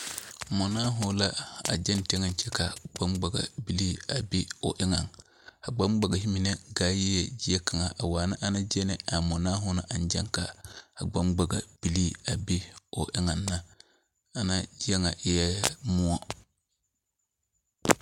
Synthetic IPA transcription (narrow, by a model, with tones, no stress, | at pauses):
mo˨na˦ɦʊ˨la˦a̰˨d͡ʒɛ˦nte˦ŋa˨nt͡ʃɛ˦ka˨ɡ͡ba˦mɡ͡ba˨ɡa̰˨bi˦li˦a˨bi˦o̰˨ʔɪ˦ŋa˨ŋ | ha˨ɡ͡ba˦mɡ͡ba˨ɡa˨ɦi˦mi˨ne˦ɡa˨˦ji˦e˨d͡ʒi˦e˦ka˨ŋa˨ʔa˨waː˨na˦ʔa˦na˦d͡ʒe˦nɛ˨a˨mo˨na˦ɦʊ˦na˨ʔa˨nd͡ʒɛ̰˦ŋka˨a˨ɡ͡ba˦mɡ͡ba˨ɡa̰˨b̥i˨li˦a˨bi˦o˨ʔɪ˦ŋa˨nːa˦ | a˨na˦d͡ʒi˦e˦ŋa˨ʔɪ˦jɛ˦mu˦a˦